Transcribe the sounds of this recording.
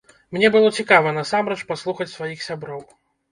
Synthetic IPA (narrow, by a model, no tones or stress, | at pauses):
mnʲɛbɨlˠɔt͡sʲikavɐnɐsamɾɛt͡ʂpaslˠuxɐt͡sʲsvajixsʲabɾɔw